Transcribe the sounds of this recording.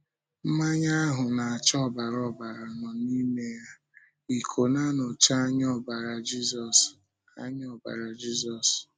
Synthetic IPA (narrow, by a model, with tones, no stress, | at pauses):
m̩˦ma˦ɲa˦a˦ɦʊ˨na˨a˨t͡ʃɔ˦˨ba˨ɾɔ˦ba˨ɾa˨nɔ˨ni˦me˦ja˦ | i˨kʰo˨na˦nɔ˨t͡ʃa˦ɲɔ˦ba˨ɾa˨d͡ʒi˦zɔ˨s | a̰˦ɲ˦ɔ˦˨ba̰˨ɾa˨d͡ʒi˦zɔ˨s